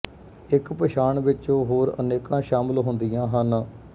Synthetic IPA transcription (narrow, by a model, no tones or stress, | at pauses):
ɪkpəʃaːɳʋɪt͡ʃõːɦoːɾə̰neːkãːʃaːmɪlɦʊnd̪ijãːɦən